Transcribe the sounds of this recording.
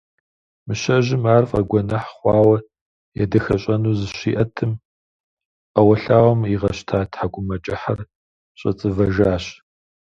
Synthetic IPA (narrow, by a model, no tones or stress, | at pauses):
mɨɕɐʒɪmaːrfʼɐ̰ɡʷɔnɐħχʷɑːwɐ | jɛ̰dɐxɐɕʼɐnuːzɨɕiːʔɐtʰɨm | ʔɐwɐɬaːwɐmiʁɐɕtʰaːtʰħaɡʷʊmɐt͡ʃʼɪħɐr | ɕʼɐ̰t͡sʼɨvɐʒaːɕ